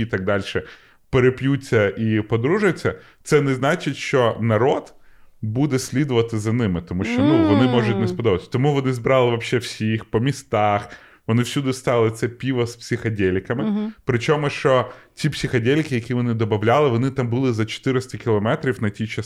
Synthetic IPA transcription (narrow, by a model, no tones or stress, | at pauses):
t̪ɑɡ̚d̪ɑlʲʃɛ | peɾepjut͡sʲːɐʔipɔd̪ɾuʒʊjt͡sʲːɐ | t̪sɛnɛznɑt͡ʃɪtʲʃt͡ʃɔnɐɾɔd̪̥bud̪ɛsʲlʲid̪ʊʋɐt̪ɪzɐnɪmɪt̪ɔmuʃt͡ʃɔnuʋɔnɪmɔʒʊt̚ʲnɛspɔd̪ɔbɐt̪ʲsʲt̪ɔmuʋɔnɪzbɾɑlˠɪʋɐpʃɛwsʲixpɔmʲist̪ɑx | ʋɔnɪwsʲud̪ɪst̪ɑlˠɪt̪sɛpʲiʋɐspsʲixɐdʲɛlʲɪkɐmɪpɾɪt͡ʃɔmʊʃt͡ʃɔtʲipsʲixɐdʲelʲkɪjɐkʲiʋɔnɪd̪ɔbɐwlʲalˠɪʋɔnɪt̪ɑmbʊlˠɪzɐt͡ʃɔ̥t̪ɪɾɪst̪ɐkʲɪlˠɔmɛt̪ɾʲiwnɐtʲit͡ʃɐs